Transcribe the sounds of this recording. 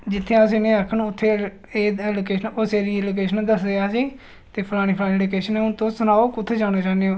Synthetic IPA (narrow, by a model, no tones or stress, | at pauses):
d͡ʒɪt̪ʰːeãːs̬inẽːɾəkʰːənʊt̪ʰːeː | eːɛːlokeːʃənoːseːɾiːeloːk̬eːʃənːd̪əsd̪eːaːsiː | t̪eːpʰəlaːɽ̃iːpʰlaːniɖoːkeːʃənẽːʊnt̪õːsʊnaːoːkʊt̪ʰːeːd͡ʒaːɽaːt͡ʃaːneõː